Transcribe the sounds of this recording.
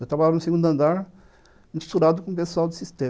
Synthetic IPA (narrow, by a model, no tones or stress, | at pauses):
et̪ɾabaʎaɾnuseɡũd̪uɐ̃nd̪aɾ | mist̪uɾad̪ʊkõpesuawd̪ɪsist̪ẽ